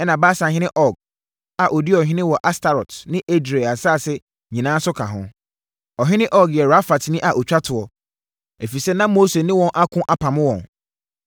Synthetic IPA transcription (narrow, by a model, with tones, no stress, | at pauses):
ɛ˦nã˨ba˦sã˨ɦɪ̃˦nɪ̃˦ʔɔ˨ɡ̚ | a˨ʔo˨dɪ˦ɔ˨ɦɪ̃˦nɪ̃˦wɔ˨ʔa˦sta˨ɾɔ˨tnɪ̃˦ʔe˦dɾe˨a˨saː˦˨sɛ˦ | ɲĩ˨nãː˦sʊ˦kʰã˨ɦʊ̰̃˦ | ɔ˨ɦɪ̃˦nɪ̃˦ʔɔ˦ɡjɛ˨ɾa˦fa˨tnɪ̃˦ʔa˨ʔɔ˨t͡ɕᶣa˦tʰʊ˨ɔ˨ | e˨fi˨sɛ˦nã˦mo˦se˨nɪ̃˦wɔ̃˨nʔa˦kʰʊ̃˦ʔa˨pʰã˨mʊ̃˦wɔ̰̃˨n